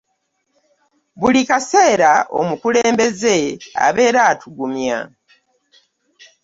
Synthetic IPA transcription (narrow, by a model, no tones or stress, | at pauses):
βulikase̞ːɾaʔo̞̰mukule̞ːmbe̞ze̞a̰βe̞ːɾaːtʰuɡumja̰